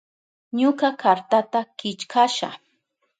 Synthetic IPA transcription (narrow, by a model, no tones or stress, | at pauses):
ɲʊkakʰaɾt̪at̪akɪt͡ʃkʰaʃa̰